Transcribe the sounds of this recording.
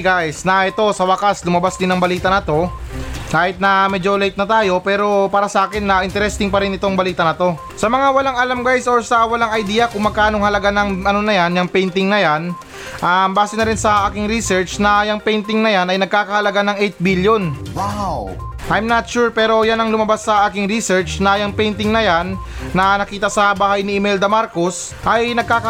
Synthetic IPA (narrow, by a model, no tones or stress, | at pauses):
ɡajsnɐʔɛt̪o̞sɐwɐkaslʊmɐbasd̪ɪnɐŋbɐliːt̪ɐnɐt̪o̞kaːhɪt̪̚nɐmɛd͡ʒolejt̪̚nɐt̪aːjo̞pɛːɾo̞paːɾɐsɐʔaːkɪnːɐʔɪnt̪ɛɾɛst̪ɪŋpɐɾɪnɪt̪o̞ŋbɐliːt̪ɐnɐt̪o̞ | sɐmɐŋawɐlaŋɐlamɡajsoɹsɐwɐlaŋɐjd̪iːjɐkʊŋmɐɡ̚kaːnoŋhɐlɐɡanɐŋʔɐno̞nɐjanjɐŋpɛjnt̪ɪŋnɐjan | ʔambaːsɪnɐɾɪnsɐʔaːkɪŋɾisɛɹt͡ʃnɐjɐŋpɛjnt̪ɪŋnɐjanɐjnɐɡ̚kaːkɐhɐlɐɡanɐŋʔɛjt̪̚biljo̞nwaw | ʔajmnat̪̚ʃuɹpɛːɾo̞janɐŋlʊmɐbasːɐʔaːkɪŋɾisɹt͡ʃnɐjɐŋpɛjnt̪ɪŋnɐjanː | ɐnɐkiːt̪ɐsɐbaːhɐjnɪɪmɛld̪ɐmaɾko̞s | ʔɐjnɐɡ̚kaːkɐ